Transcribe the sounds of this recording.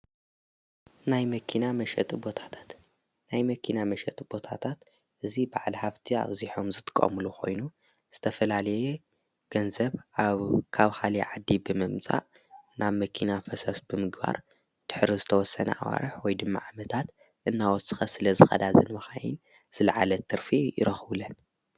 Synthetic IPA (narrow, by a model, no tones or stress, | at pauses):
najmɐkʰinamɐʃɛ̰t̪ʼbo̞t̪ʰḁt̪ʰḁt̪ | najmɐkʰinamɐʃɛt̪ʼb̥o̞t̪ʰat̪ʰat̪ | ʔɨzibaʕlħaβt̪ʰia̰βziħomzɨt̪ʼɨ̥kʼːɐ̰mɨluxo̞̰jnu | z̥ɨt̪ʰɐfɐlalɐje | ɡ̥ɐnzɐβʔaβkʰaβxaliʕad̪ːibɨmɨmt͡sʼa̰ʔ | naβmɐkʰinafɐsɐsb̥ɨmɨɡba̰ɾ | d̪̥ɨħɾizɨt̪ʰɐwɔsːɐnɐ̰ʔa̰wa̰ɾɨħwɔjd̪ɨmːa̰ʕamɐt̪ʰat̪ | ʔɨnːawɔt̪sɨxɐsɨlɐzɨxɐ̰d̪azɨ̰nmɐxajin | z̥ɨlɐʕalɐt̪ʰɨɾfijɪ̰ɾɐxβɨlɐn